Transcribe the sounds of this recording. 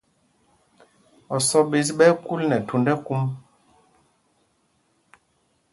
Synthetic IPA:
ɔ˨sɔ˦ɓe˨˦s̬ɓɛ˦ku˦lnɛ˨tu˨ndɛ˦ku˦m

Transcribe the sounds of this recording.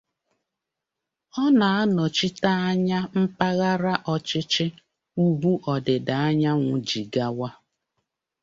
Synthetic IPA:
ɔ˦na˨a˦nɔ˨t͡ʃi˦ta˦a˦ɲa˦m̩˦pa˦ɣa˦ɾa˦ʔɔ˦t͡ʃɪ˦t͡ʃɪ˦ | u˦bu˦ʔɔ˨dɪ˨da˨a˦ɲa˦ŋʷʊ˨d͡ʒi˨ɡa˦wa˦

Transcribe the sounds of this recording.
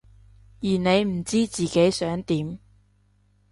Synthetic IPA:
jiː˨˩ne˨˧jm̩˨˩t͡siː˥t͡siː˨ke˨˥jsœː˨˥ŋt̪iː˨˥m

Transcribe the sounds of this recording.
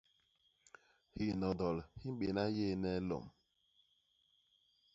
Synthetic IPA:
hi˦˨nɔ˨dɔ˨lhi˦ɡ͡be˨na˦je˦˨ne˦lo̰˨m̩˨

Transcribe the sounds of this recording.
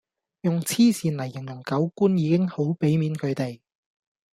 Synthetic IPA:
jʊ˨ŋt͡sʰiː˥siː˨nlɐ˨˩jːɪ˨˩ŋjʊ˨˩ŋkɐ˨˥wkuː˥njiː˨˧˥kɪ˥ŋho˨˥wpe˨˥jmiː˨˥nkʰɵ˨˧t̪e˨j

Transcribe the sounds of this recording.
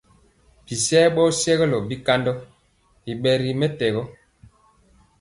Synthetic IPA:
bi˨sɛː˦ɓɔ˦sɛ˦ɣɛ˦lɔ˨bi˦ka˦ndɔ˦ | i˨ɓɛ˨ɾi˨mɛ˦tɛ˨ɣɔ˦

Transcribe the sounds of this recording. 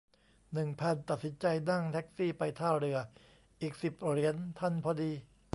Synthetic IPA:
nɯ˨˩ŋpʰa˧nt̪a˨t̪̚si˩˦nt͡ɕa˧jna˥˩ŋt̪ʰɛ˦˥k̚siː˥˩pa˧jt̪ʰaː˥˩ɾɯ˧ɐ | ʔiː˨˩k̚si˨˩p̚ɾi˩˦ənt̪ʰa˥˩npʰɔː˧diː˧

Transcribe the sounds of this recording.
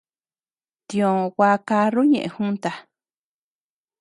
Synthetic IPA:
t̪ĩ˧õ˧wa˧˦ka˧ru˦ɲḛ̃˨ʔẽ˧hũ˦nt̪a˧

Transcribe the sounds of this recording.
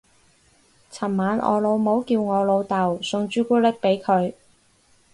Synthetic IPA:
t͡sʰɐ˨˩mmaː˨˧nʔɔ̰ː˧lo˨˧wmo˨˥wkiː˧wŋɔː˨˧lo˨˧wt̪ɐ˨wsʊ˧ŋt͡ʃyː˥kuː˥lɪ˥k̚pe˨˥jkʰɵ˨˧ɥ

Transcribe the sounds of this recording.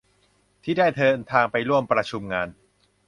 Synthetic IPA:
t̪ʰiː˥˩daː˥˩jt̪ʰɤː˧nt̪ʰaː˧ŋpa˧jɾu˥˩əmpɾa˧t͡ɕʰu˧mŋaː˧n

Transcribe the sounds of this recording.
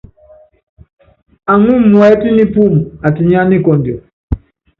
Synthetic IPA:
a˨ŋu˦mwɛ˨˦ti˦ni˦pu˦˨m˨a˨ti˨ɲa˦ni˦kɔ˨ndjɔ˨

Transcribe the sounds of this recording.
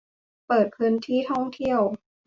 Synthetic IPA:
pɤː˨˩t̪̚kʰɯː˧nt̪ʰiː˥˩t̪ʰɔ˥˩ŋt̪ʰi˥˩əw

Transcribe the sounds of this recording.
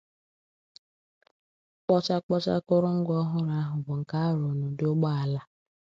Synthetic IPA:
k͡pɔ˦t͡ʃa˦k͡pɔ˦t͡ʃa̰˦kʊ˦ɾʊ˦ŋ̩˦ɡɔ˦ɦʊ˦ɾa˦ɦʊ˨bʊ˨ŋ̩˨ka˦ɾʊ˨nʊ˨dʊ˦ɡ͡ba˦a˨la˦

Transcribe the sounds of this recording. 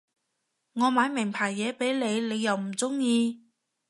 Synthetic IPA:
ŋɔː˨˧maː˨˧jmɪ˨˩ŋpʰaː˨˩jːɛː˨˥pe˨˥jle˨˧jle˨˧jːɐ˨wm̩˨˩t͡sʊ˥ŋjiː˧

